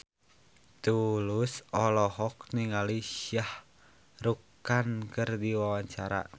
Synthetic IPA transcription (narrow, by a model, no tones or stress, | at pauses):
t̪ulʊsɔlɔhɔk̚niŋaliʃjah | rukankɨrdiwawaɲt͡ʃaɾa̰